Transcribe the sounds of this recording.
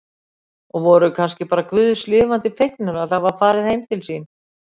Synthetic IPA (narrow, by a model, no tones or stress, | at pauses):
ɔɣvɔɾʏkʰanscɪpaːɾakvʏːðslɪːvant̪ɪfejknʏɾaðθavaɾfaːɾɪðhejmt̪ʰɪlsiːn